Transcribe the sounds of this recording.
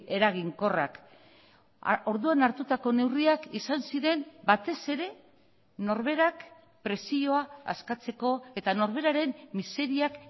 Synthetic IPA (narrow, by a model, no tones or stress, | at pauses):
e̞ɾaɣ̞iŋko̞ra̰k | o̞ɾðuanaɾt̪ut̪ako̞ne̞wriakisansiɾe̞nbat̪e̞se̞ɾe̞ | no̞ɾβ̞e̞ɾak | pɾe̞sio̞aa̰skat͡se̞ko̞e̞t̪ano̞ɾβ̞e̞ɾaɾe̞mːise̞ɾiak